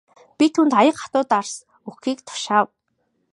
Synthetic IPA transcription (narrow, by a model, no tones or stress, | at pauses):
pʲit̪ʰunt̪ajə̆qχḁt̪ʊːt̪ars | uxiːkt̪ʰʊ̥ʃaːw